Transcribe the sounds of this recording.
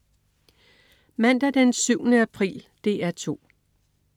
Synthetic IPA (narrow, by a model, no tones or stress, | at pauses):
mæn̰d̥æd̥ensyʊnəæpʰʁḭːld̥e̝æɐt͡sʰo̝̰ː